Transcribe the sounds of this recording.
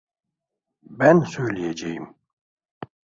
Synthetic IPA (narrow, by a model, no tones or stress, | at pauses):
bænsøjlijɛd͡ʒejim